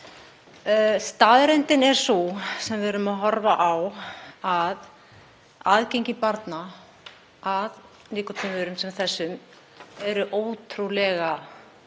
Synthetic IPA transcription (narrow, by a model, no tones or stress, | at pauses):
st̪aːðɾent̪ɪnɛɾ̥susɛmvɪɛɾʏmaðɦɔɾvaʔawað | aðcejɲcɪpaɾt̪na | að | liːkʏt̪ʰʏmʏɾʏmsɛmθɛsːʏm | ɛɾʏʔoːwt̪ʰɾulɛɣa